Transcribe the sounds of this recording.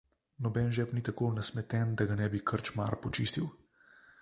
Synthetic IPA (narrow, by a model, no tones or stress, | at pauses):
nɔbɛnʒɛpnit̪akonasmɛt̪ɛnd̪aɡanɛbikʰəɾt͡ʃma̰ɾpɔt͡ʃiːst̪iw